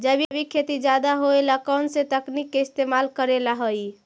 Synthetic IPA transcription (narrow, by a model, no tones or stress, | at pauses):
d͡ʒəbʱibʱikʰet̪id͡ʒad̪aɦoelakɔnsẽt̪əknikːeist̪emalkəɾelaɦəj